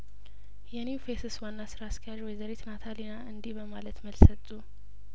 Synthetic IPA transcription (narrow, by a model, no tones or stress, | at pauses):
jɛnifesɨswanːasɨɾaːskʰəjaʒwɔjɛzəɾet̪ʰnat̪ʰalinaʔɨnd̪ihbəmalət̪məlsət̪ʼːu